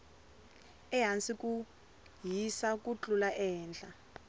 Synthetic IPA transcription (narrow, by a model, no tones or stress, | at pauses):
ɛɦant͡sikʼu | jisak̬ʼut͡ɬʼulaʔɛːnt͡ɬa